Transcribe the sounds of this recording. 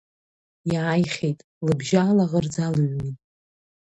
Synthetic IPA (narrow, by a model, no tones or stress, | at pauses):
jaajχʲejtʼ | lɨbʒaːlaʁərd͡zalɨɥnitʼ